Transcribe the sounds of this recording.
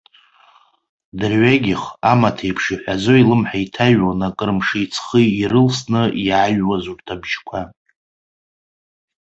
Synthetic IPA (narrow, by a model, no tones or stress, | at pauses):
dɨrɥaɡʲɪχamatʰejpʰʂiħʷazoilɨmħaitʰaɥwanakʼɨrmʂɨit͡sʰχɨirɨlsnɨjaɥwazurtʰabʒkʷʰa